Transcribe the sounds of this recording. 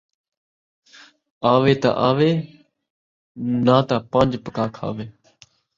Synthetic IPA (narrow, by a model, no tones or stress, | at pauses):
aːʋeːt̪a̰ʔaːʋeː | nãːt̪aːpãːnd͡ʒpəkaːkʰa̰ːʋeː